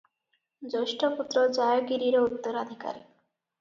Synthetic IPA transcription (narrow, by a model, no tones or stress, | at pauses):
d͡ʑoʃʈoput̪ːɾod͡ʑajoɡiɾiɾout̪ːoɾad̪ʱika̰ɾi